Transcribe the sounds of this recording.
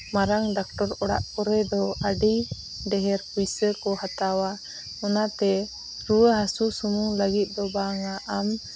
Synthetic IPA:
maɾaŋɖak̚ʈɔɾɔɽa̰ʔkɔɾɛd̪ɔaɖi | ɖɛɦɛɾpujsəkɔɦat̪awa | ɔnat̪ɛ | ɾuwəɦasusumuŋləɡit̪̚ˀd̪ɔbaŋaʔam

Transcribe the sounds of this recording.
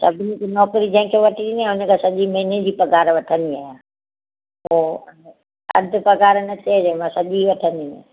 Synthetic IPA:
sɐbʱɪnikinɔːkɾid͡ʑɐ̃ɦɪ̃kʰeʋɐʈʰiɗiniãɦʊnə̆kʰãːsɐʄimɐɦinẽd͡ʑiːpɐɡaːɾʋɐʈʰə̃nd̪iaːɦjã | ɦoː | ɐ̰d̪ʱʊ̆pɐɡaːɾnɐt͡ɕed͡ʑɛ̃mãsɐʄiʋɐʈʰə̃nd̪ĩ

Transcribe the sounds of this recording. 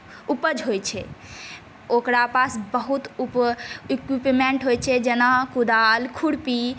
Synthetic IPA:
upəd͡ʒɦojt͡ʃʰɛ | okɾapasbəɦut̪upikipmeɳʈɦojt͡ʃʰɛd͡ʒenakud̪alkʰuɽpi

